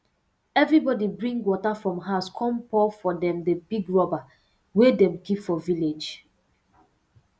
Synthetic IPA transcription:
ɛvɹibɔdibɹĩŋɡwɔtafɹɔ̃mɦaskʰɔ̃mpɔfɔdɛ̃mdəbiɡɹɔba | wedɛ̃mkipfɔviled͡ʒ

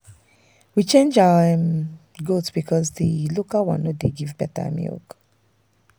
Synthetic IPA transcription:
wit͡ʃẽnd͡ʒaəɛm | ɡotsb̥ikʰɔzðilokəlwã̰nɔdeɡivbɛtə̰mḭlk

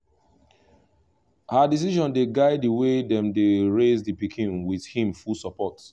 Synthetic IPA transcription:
hadis̬iʒɔ̃ndeɡaɪdiwedɛ̃mdeɹezdipikʰĩnwið̥hĩmfulsɔpɔt

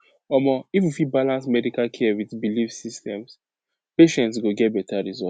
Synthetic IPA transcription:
ɔmɔifjufibalãnsmɛdikalkʰɛɛwiðbilifsistɛ̃ms | peʃɛ̃ntsɡoɡɛt̚bɛtaɹizɔ

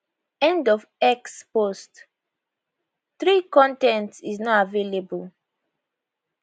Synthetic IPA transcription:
ɛ̃ndɔfɛkspost | θɹikɔ̃ntɛ̃ntsiznɔavelebul

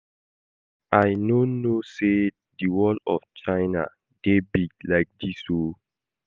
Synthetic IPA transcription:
ʔaɪnonose | diwɔlɔ̰ft͡ʃaɪna̰ | ɡ̥ebiɡ̚laɪk̚diso

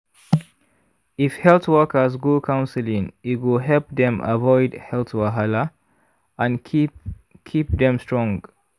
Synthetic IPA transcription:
ifhɛlθwɜkəzɡokʰãʊ̃nsəlĩŋitwɪlɦɛlp̚ðɛ̃mə̰vɔɪdhɛlˠθwaɦalə | ãn | kʰip̚ðɛ̃mstɹ̥ɔ̃ŋɡ

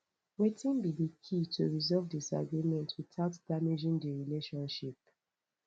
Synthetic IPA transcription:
wetĩnbidikʰitʰuɹizɔvdisa̰ɡɹimɛ̃ntʰwitaʊtdamid͡ʒĩndiɹileʃɔ̃nʃip̚

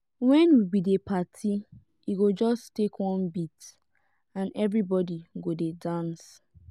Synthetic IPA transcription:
wɛ̃nwibidepatʰi | iɡod͡ʒɔstekwɔ̃nbit | ãnɛvɹibɔdiɡodedãns

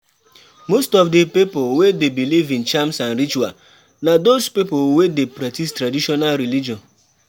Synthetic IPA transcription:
mostɔfdipipolwedebilivĩnt͡ʃamsãnɾit͡ʃua | nadospipolwedepɾatistɾadiʃɔnalɾilid͡ʒɔ̃n

